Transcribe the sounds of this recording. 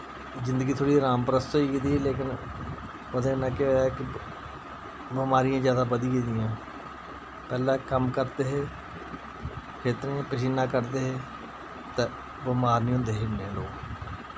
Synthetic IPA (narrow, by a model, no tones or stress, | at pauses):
zɪ̃nd̪əɡiːt̪ʰoːɽiːɾaːmpəɾəst̪ɦoːiːkid̪iːeleːkɪn | əd̪ẽːnãːkɪoːaɛːkɪ | bəmaːɾɪjãːzjaːd̪aːbəd̪iːkid̪ɪjãː | pɛːlãːkəmkəɾt̪eːɦeː | kʰeːt̪əɾẽãːpɪʃ̬iːnãːkəɾt̪eːɦeː | t̪eː | bəmaːɾnĩːɦʊ̃ːnd̪eːɦeneːlo̰ːk